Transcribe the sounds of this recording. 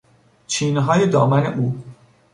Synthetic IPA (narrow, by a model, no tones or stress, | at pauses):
t͡ʃʰiːnɦɒːjed̪ɒ̰ːmænḛʔuː